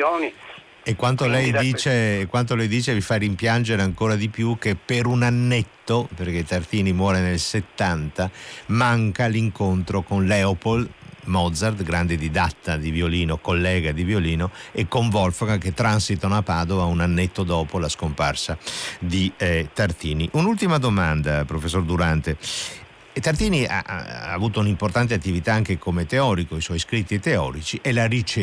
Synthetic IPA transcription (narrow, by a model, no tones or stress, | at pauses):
n | ekːwant̪olɛjdd̪iːt͡ʃekwant̪̬olɛjd̪iːt͡ʃevifaɾimpjand͡ʒeɾeaŋkoːɾad̪ipjuk̟epːeɾunanːet̪ːoperket̪art̪iːnimwɔːɾenelset̪ːant̪amaŋkaliŋkont̪ɾokonlɛopolmɔd̪zard̪ɡɾand̪ed̪id̪at̪ːad̪ivjoliːnokolːɛːɡad̪ivjoliːnoekːoɱvɔlfoɡaket̪ːɾansit̪onapaːd̪ovaunanːet̪ːod̪ɔːpolaskomparsad̪it̪art̪iːniʔunult̪imad̪omand̪apɾofesːord̪uɾant̪e | t̪art̪iːnia̰ːvuːt̪ounimport̪ant̪̬eat̪ːivit̪aaŋkekomet̪eɔːɾikoiswɔjskɾit̪ːit̪eɔ̰ːɾit͡ʃiʔelaɾit͡ʃe